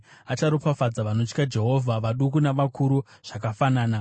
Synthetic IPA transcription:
at͡ʃaɾopafad͡zaʋano̞t͡ʃkad͡ʒe̞ɦo̞vʱaʋaɗukunaʋakʰuɾuʐ̥akafanaːna

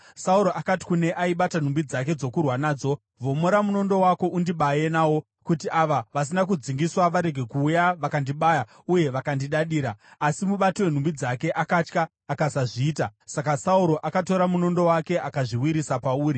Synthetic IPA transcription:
sauɾo̞ʔakati̥kune̞ʔaiɓatan̤umbid͡zak̬e̞d͡zo̞kurwanaːd͡zo̞ | ʋo̞moɾamuno̞ndo̞wako̞ʔundiɓaje̞naːwo̞ | kut̬iaʋaʋas̬inak̬ud͡ziŋɡiswaʋaɾe̞ɡʱe̞kuːjaʋakandiɓaːja | uje̞ʋakandiɗaɗiːɾaːsimuɓatiwe̞n̤umbid͡zake̞ʔakat͡ʃkaː | kasaʐiːtasakasauɾo̞ʔakato̞ɾamuno̞ndo̞wake̞ʔakaʐiwiɾisapauːɾi

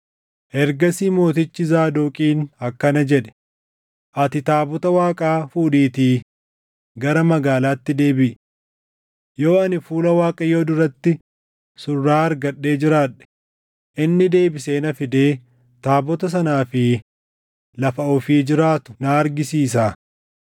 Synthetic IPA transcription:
ʔɛɾɡɐsiːmo̞ːt̪ɪt͡ʃːɪzaːd̪oːkʼiːnhɐkːɐnɐd͡ʒɛᶑɛ̥ | ʔɐt̪ɪt̪aːbɔt̪ɐwaːkʼaːfuːᶑiːt̪iː | ɡɐɾɐmɐɡaːlaːt̪ːɪd̪e̞ːbɪʔ | jo̞ːɐnɪfuːlɐwaːkʼɐjo̞ːd̪ʊɾɐt̪ːɪ | sʊrːaːɐɾɡɐɗːe̞ːd͡ʒɪɾaːᶑɛ̥ | ʔɪnːɪd̪e̞ːbɪse̞ːnɐfɪd̪e̞ː | t̪aːbɔt̪ɐs̬ɐnaːfɪ | lɐfɐʔʊfiːd͡ʒɪɾaːt̪ʊ̥naːɾɡɪsiːs̬aː

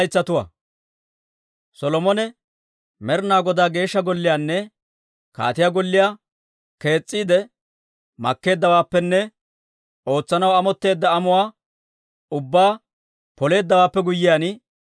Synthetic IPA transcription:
jt͡sːɐt̪ʊwɐ̰ | sɔlɔmɔnɛ | mɛɾnaːɡɔd̪aːɡe̞ːʃːɐɡɔlːɪjaːnːɛ | ka̰ːt̪ɪjaːɡɔlːɪjaː | ke̞ːt͡sʼːiːd̪ɛ | mɐkːe̞ːd̪ːɐwaːpːɛnːɛ | o̞ːt͡sːɐnɐwɐmɔt̪ːe̞ːd̪ːɐːmʊwaː | ʊbːaː | pɔle̞ːd̪ːɐwaːpːɛɡʊjːɪjaːnɪ

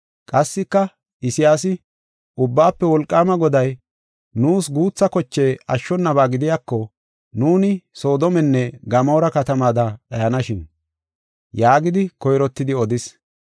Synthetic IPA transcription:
kʼɐsːɪkːɐ | ɪsɪjaːs̬ɪ | ʔʊbːaːpːɛwɔlkʼːaːmɐɡɔd̪ɐj | nuːsɡuːt͡sːɐkɔt͡ʃːeːɐʃːɔnːɐβaːɡɪd̪ɪjaːkːɔ | nuːnɪso̞ːd̪ɔmɛnːɛɡɐmoːɾɐkɐt̪ɐmaːd̪ɐᶑɐjɐnɐʃɪn | jaːɡɪd̪ɪkɔjɾɔt̪ːɪd̪ɪɔd̪ɪs

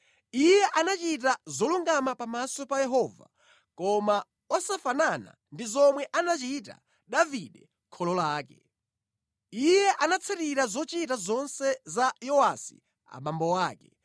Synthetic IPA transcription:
ijɛʔanat͡ʃit̬azɔluŋɡamapamasɔpajɛɦɔːva̰ | kɔma | ɔsafanana̰ | ndizɔmwɛʔanat͡ʃita̰ | ɗaviɗɛ | kʰɔlɔlaːkɛ̰ | ijjɛʔanat͡sʰɛɾiɾazɔt͡ʃit̬azɔnsɛzajɔwasi̥̰ | a̰ɓambɔwaːkɛ

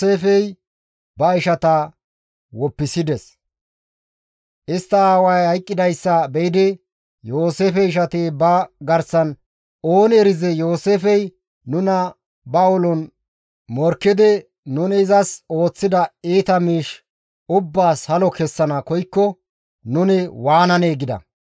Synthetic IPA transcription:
eːfɛj | bɐɪʃɐt̪ɐ | wɔpːɪsɪd̪ɛs | ʔɪst̪ːɐaːwɐjhɐjkʼːɪd̪ɐjsːɐbɛɪd̪ɪ | jo̞ːseːfɛɪʃ̬ɐt̪eːbɐɡɐɾsɐn | o̞ːnɛɾɪzɛjo̞ːseːfɛj | nʊnɐ | bɐɔlɔn | mɔɾkːɪd̪ɪ | nʊnɪːzɐso̞ːt͡sːɪd̪ɐiːt̪ɐmiːʃ | ʊbːaːshɐlɔkɛsːɐnɐkɔjkːɔ | nʊnɪwaːnɐneːɡɪd̪ɐ̰

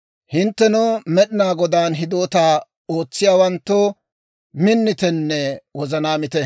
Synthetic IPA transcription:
hɪnt̪ːɛnɔmɛɗɪnaːɡɔd̪aːnɦɪd̪oːt̪aː | o̞ːt͡sːɪjaːwɐnt̪ːo | mɪnːɪt̪ɛnːɛwɔzɐnaːmɪt̪ɛ

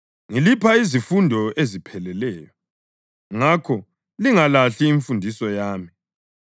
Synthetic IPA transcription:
ŋilipʰaizifundʱɔezipʰɛlɛlɛːjɔ | ŋakʰɔ | liŋalaɬiːɱfundʱisɔjaːmi

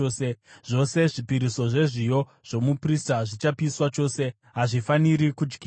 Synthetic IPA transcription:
seʐ̥o̞se̞ʐipiɾiso̞ʐe̞ʐijo̞ | ʐ̥o̞mupristaʐit͡ʃapiswat͡ʃo̞ːse̞ | ɦaʐifaniɾikud͡ʒɡiː

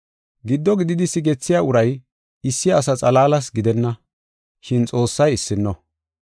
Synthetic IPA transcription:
ɡɪd̪ːɔɡɪd̪ɪd̪ɪsɪɡɛt͡sːɪjaːʊɾɐj | ɪsːɪɐs̬ɐt͡sʼɐlaːlɐs̬ɡɪd̪ɛnːɐ | ʃɪnt͡sʼo̞ːsːɐjɪsːɪnːɔ

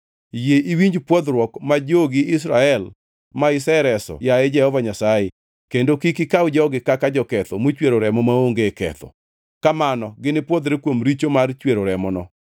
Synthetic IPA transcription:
jeʔiwiɲd͡ʒpwɔd̪ɾwɔkmad͡ʒoɡɪɪs̬ɾaɛl | maɪsɛɾɛsɔ̰jaed͡ʒɛhɔvaɲasae | kendokikikaʊd͡ʒɔɡɪkakad͡ʒɔkɛt̪ɔmot͡ʃweɾoɾɛmɔmaoŋɡekɛ̰t̪ʰɔ̰ | kamanɔɡɪnɪpwod̪ɾekwomɾit͡ʃomart͡ʃweɾoɾɛmɔnɔ

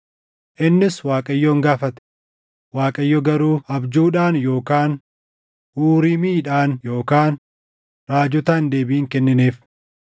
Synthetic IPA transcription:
ʔɪnːɪswaːkʼɐjːɔːŋɡaːfɐt̪ɛ̥ | waːkʼɐjːɔɡɐɾuːhɐbd͡ʒuːᶑaːnjo̞ːkaːn | huːɾɪmiːᶑaːnjo̞ːkaːn | ɾaːd͡ʒʊt̪aːnd̪e̞ːbiːŋkɛnːɪneːf

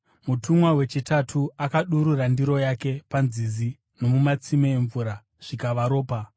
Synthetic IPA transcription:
mutʰumwawe̞t͡ʃitatʰuakaɗuɾuɾandiɾo̞jake̞panzizi | no̞mumat͡simeeɱvuːɾa | ʐ̥ikaʋaɾo̞ːpa

